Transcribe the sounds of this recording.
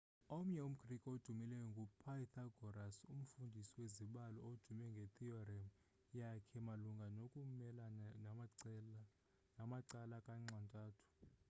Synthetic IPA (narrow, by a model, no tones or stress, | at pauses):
om̩ɲɛum̩kʰʼrikʼod̥ʱumilɛjɔŋɡʱupʰajit̪ʰaɡ̥ʱɔɾasum̩fundʱisiweziɓalɔod̥ʱumɛŋɡʱet̪ʼiɔrɛm | jakʰɛmaluŋɡʱanokʼumɛlan | namaǀalakʼaŋ͡ǀantʼaːtʰu̥